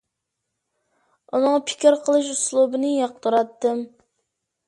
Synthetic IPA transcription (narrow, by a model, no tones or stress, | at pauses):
unɨŋɑpʰɪ̥kʲiɾqʰəlˠɨʃ̬uslˠubɨnɨjɑqt̪ʰuɾɑt̪ːɨm